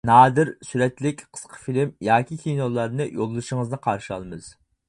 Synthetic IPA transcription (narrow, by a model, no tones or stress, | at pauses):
nɑːd̪ɨɾsyɾɛt̪lɪkʲqʰə̥sqʰə̥filɪmjɑːkʲʰikʲʰinolˠːɑɾnɨjo̰lˠːɨʃɪŋəznɨqʰɑɾʃɑ̰lˠmɨz̥